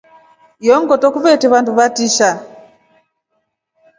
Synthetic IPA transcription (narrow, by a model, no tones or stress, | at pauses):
jɔŋɡɔtɔkuβɛtɛβanduβatiʃa